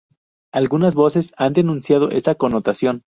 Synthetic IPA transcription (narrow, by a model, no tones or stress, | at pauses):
alɣunazβo̞se̞sand̪enũnsjað̞o̞̰ʔe̞̰st̪ako̞nːo̞t̪asjo̞n